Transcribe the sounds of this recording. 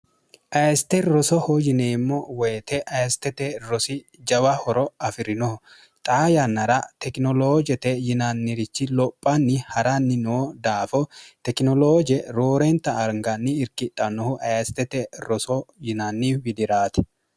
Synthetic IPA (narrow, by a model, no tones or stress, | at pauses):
ʔɐɛst̪ɛɾɔsɔhɔd͡ʒɪneːmːɔwɛjt̪ɛʔɐjst̪ɛt̪ɛɾɔsɪ | d͡ʒɐwɐhɔɾɔɐfɪɾɪnɔhʊ | t̪ʼaːjɐnːɐɾɐt̪ɛknɔloːd͡ʒɛt̪ɛjɪnanːɪɾɪt͡ʃːɪlɔpʼːɐnːɪhɐɾɐnːɪnoːd̪aːfɔt̪ɛknɔloːd͡ʒɛɾoːɾent̪ɐːɾŋɡɐnːɪːɾkɪt̪ʼːɐnɔhʊʔɐjst̪ɛt̪ɛɾɔsɔjɪnɐnːiwɪd̪ɪɾaːt̪ɛ̥